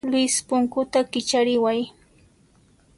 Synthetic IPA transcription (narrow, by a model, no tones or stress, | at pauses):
lɪspʊŋkʊt̪akɪt͡ʃaɾɪwaj